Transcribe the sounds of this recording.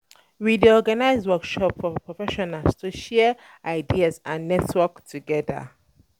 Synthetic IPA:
widiɔɡanaɪzwɜkʃɔpfɔpʰɹɔfɛʃɔnalstʰuʃɛ | aɪdiazãnːɛtwɜktʰuɡɛðə̰

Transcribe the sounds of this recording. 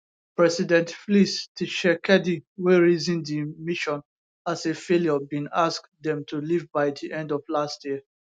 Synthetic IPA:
pɹɛsidɛ̃ntflistʰiʃɛkʰɛdiweɹizĩndimiʃɔ̃n | asefeljɔbĩnask | dɛ̃mtulivbaɪdiʔɛ̃ndɔvlastʰjiə

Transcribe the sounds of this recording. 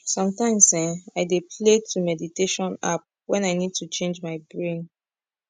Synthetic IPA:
sɔ̃mtãɪ̃msɛ̃aɪdepʰletʰumɛditeʃɔ̃na̰p̚ | wɛ̃naɪnid̚tut͡ʃẽnd͡ʒmaɪbɹẽn

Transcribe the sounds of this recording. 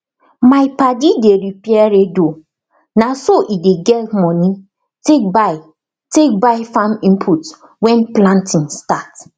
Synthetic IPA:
maɪpadideɾipɛɾedo | nasoʔideɡɛtmɔ̃ni | tek̚baɪ | tek̚baɪfãmĩmpʰut | wɛ̃nplãntʰĩŋstat

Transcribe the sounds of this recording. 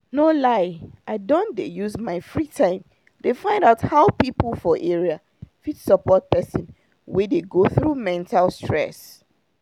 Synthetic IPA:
nolaɪʔaɪdɔ̃ndejuzmaɪfɹitʰãɪ̃m | defãɪ̃ndaʊthaʊpipl̩ˠfɔʔeɹia | fitsəpɔt̚pɛsə̃n | wɛdeɡoθɹumɛ̃ntʰalstɹɛ̰s

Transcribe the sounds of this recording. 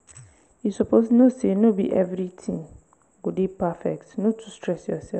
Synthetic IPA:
jisɔpʰosnõsenõbḭʔɛvɾitʰĩŋ | ɡʊdɪpʰafɛ̰k̚tnõtʰu̥stʰɹɛsjɔ̰sɛf

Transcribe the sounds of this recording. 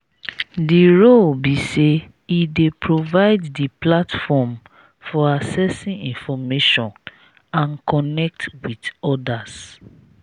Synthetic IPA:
diɹolbise | idepʰɹovaɪdːiplatfɔm | fɔasɛsĩŋĩnfɔmeʃɔ̃n | ãnkɔnɛk̚twidɔdas

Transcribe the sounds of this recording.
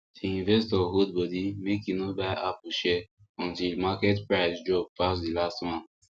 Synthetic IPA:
diĩnvɛstɔɦud̚bɔdimekĩnobaapuʃɛ | ɔ̃ntilmakɛtpɹaɪsd͡ʒɔb̚pasdilastmãn

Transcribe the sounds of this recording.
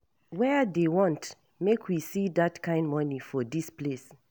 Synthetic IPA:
wɛdewɔ̃nt | mekʰwisidatkʰãɪ̃ndmɔnifɔdisples

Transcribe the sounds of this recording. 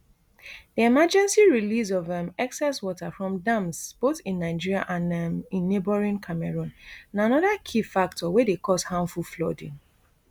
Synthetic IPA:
diɛmad͡ʒɛ̃nsiɹilizɔvɛ̃mɛksɛswɔtafɹɔ̃mdãmsb̥oθĩnːaɪd͡ʒiɹia̰ʔãnĩnːebɔɹĩnkʰamɛɹũnnanɔðakʰifak̚tʰɔwɛdekʰɔshãmfuflɔdḭ̃n

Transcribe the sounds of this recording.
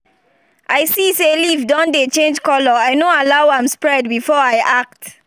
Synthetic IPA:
ʔajsiselivdɔ̃ndet͡ʃẽnd͡ʒkɔlɔajnoalawãmspɹɛd̚bifɔajʔak̚t

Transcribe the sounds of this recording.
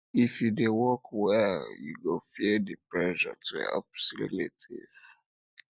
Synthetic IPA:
ifjudewɔkwɛljṵɡofidipɹɛʒɔ̰tuhɛ̰psilḭlḛtʰḭv̥

